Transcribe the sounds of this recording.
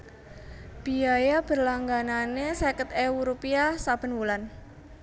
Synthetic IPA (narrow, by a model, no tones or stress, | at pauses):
b̥iajab̥ə̤rlaŋɡananesekət̪ewuɾupiasab̥ə̤nwulan